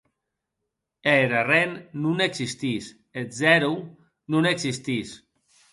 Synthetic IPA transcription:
eɾarenːuneɡzist̪is | ezɛɾu | nuneksist̪is

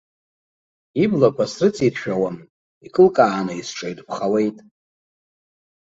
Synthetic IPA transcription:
iblakʷʰasrɨt͡sʼitʰʃᶣawam | ikʼɨlkʼaːnaisʈ͡ʂʼejtpʰχawejtʼ

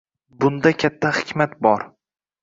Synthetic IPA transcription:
bʊnd̪akʲʰat̪ʰːahɪ̥kʲmat̪bɒɾ

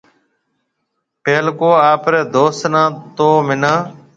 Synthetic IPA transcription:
peːlkoːaːpɾeːd̪oːsnãːt̪oːmɪnãː

